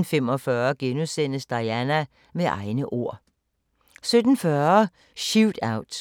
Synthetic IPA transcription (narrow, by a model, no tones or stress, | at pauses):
n̩femɒfɶːɐɡ̥enusen̰əsd̥ɑ̈jænæ | meʔɑ̈ɪnəʔo̝ɐ̰ | sød̥n̩fɶɐ | ʃuʊd̥ɑ̈ʊ̰d̥